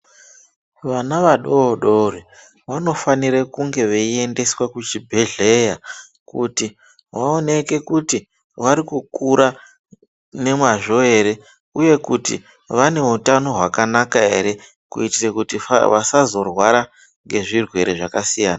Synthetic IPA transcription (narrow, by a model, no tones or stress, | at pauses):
ʋanaʋaɗo̞ːɗori | ʋano̞faniɾekuŋɡe̞ʋeie̞nde̞swakut͡ʃibʱe̞ɮe̞ja | kuti | ʋaone̞ke̞kuti | ʋaɾikukuɾa | ne̞mwaʐo̞e̞ɾe̞ | uje̞kutḭ | ʋane̞utano̞ɦwakanakae̞ɾe̞ | kṵitirekutiʋasazo̞rwaɾa | ŋɡe̞ʐirwe̞ɾeʐakasijaːna